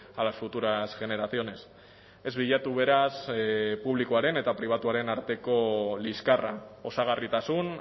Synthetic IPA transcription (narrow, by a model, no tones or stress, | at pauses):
alasfut̪uɾasɣe̞ne̞ɾaθio̞ne̞s | e̞zβiʎat̪uβ̞e̞ɾaspuβ̞likoaɾe̞ne̞t̪apɾiβ̞at̪uaɾe̞naɾt̪e̞ko̞liskarao̞saɣ̞arit̪asun